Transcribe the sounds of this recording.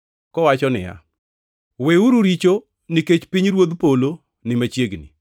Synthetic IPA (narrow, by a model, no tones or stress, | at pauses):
kɔwat͡ʃɔnɪ̰ja̰ | weuɾuɾit͡ʃo | niket͡ʃpiɲɾwod̪polo | nɪmat͡ʃjeɡnḭ